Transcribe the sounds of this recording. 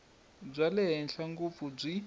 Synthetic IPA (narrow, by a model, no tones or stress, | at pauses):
b͡ʐʷalɛɦɛnɬaŋɡup̪fub͡ʐʷi